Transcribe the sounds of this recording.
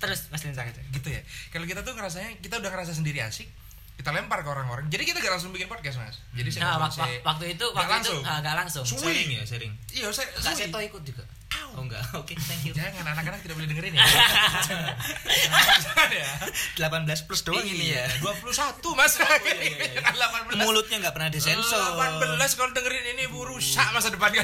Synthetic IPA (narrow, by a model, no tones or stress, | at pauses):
t̪əɾʊsməst̪isakaaɡit̪uja̰kalokit̪at̪uŋəɾas̬aɲakit̪audahŋəɾas̬as̬əndiɾia̰sɪː | it̪alɛmparkəoɾaŋoɾaŋd͡ʒadikit̪aŋɡaʔlaŋsʊŋbikɪnpɔd̚kɛs̬ma̰sd͡ʒadisawakswak̚t̪uit̪uwalaŋʊŋaŋɡaʔlaŋsʊŋsuɪŋja̰seɾɪŋiasaɡaʔsat̪oikʊt̪̚d͡ʒuɡa̰ | aoŋɡa̰ʔoket̪aŋkajakananakːanaŋt̪idaʔbolɛhdəŋəɾɪn | kanjad̥əlapanbəlasplʊsd̥oaŋiijaduapuluhsat̪umasakadəlapanbəlmulʊt̪̚ɲaŋɡaʔpərnadasɛnsɔapabənblaskalodəŋəɾɪniniuɾusaʔmas̬adəpanɡa